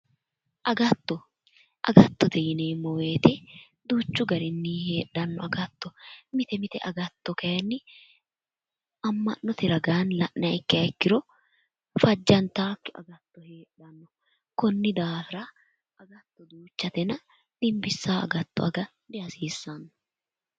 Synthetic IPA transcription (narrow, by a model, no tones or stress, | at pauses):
ʔɐɡɐt̪ːɔ | ʔɐ̰ɡɐt̪ːɔt̪ɛjɪneːmːɔweːt̪ɛ | d̪uːt͡ʃːʊɡɐɾɪnːiːhe̞ːɗːɐnːɔɐɡɐt̪ːɔmɪt̪ɛmɪt̪ɛʔɐɡɐt̪ːɔkɐjɐnːɪ | ɐmːɐnːɔt̪ɪɾɐɡaːnlɐʔnɐɪkːɪɐkːɪɾɔ | fɐd͡ʒːɐnt̪aːkːɪɐ̰ɡɐt̪ːɔheːɗːɐnːɔ | kɔnːɪd̪aːfɪɾɐ | ɐɡɐt̪ːɔd̪uːt͡ʃːɐt̪ɛnɐ | d̪̥ɪmbɪsːaːɐ̰ɡɐt̪ːɔ̰ɐɡɐ | d̪ɛɐsiːsːɐnːɐ̥